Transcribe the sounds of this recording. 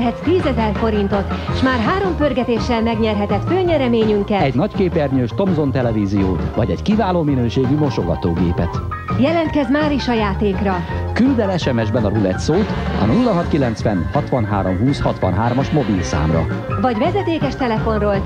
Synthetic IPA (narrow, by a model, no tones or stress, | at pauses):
ɦɛt̪t̪iːzɛzɛrfo̞ɾint̪o̞t̪ʃmaːrɦaːɾo̞mpørɡɛt̪eːʃːɛlmɛɡɲɛrɦɛt̪ɛt̪føːɲɛɾɛmeːɲyŋkɛɛɟnɒckeːpɛrɲøːʃt̪o̞mzo̞nt̪ɛlɛviːzijoːvɒɟɛckivaːloːminøːʃeːɡymo̞ʃoɡɒt̪oːɡḛːpɛt̪ | jɛlɛnt̪kɛzmaːɾiʃɒjaːt̪eːkrɒkyld̪ɛlɛʃɛmɛʒbɛnɒɾulɛt̪soːt̪ɒ̰nulːɒɦɒt̪kilɛnt̪sʋɛnhɒt̪ʋɒnɦa̰ːɾomɦuːshɒt̪ʋɒ̰nɦaːrmɒʃmo̞bilsa̰ːmrɒ̰ | vɒɟʋɛzɛt̪eːkɛʃt̪ɛlɛfo̞nroːl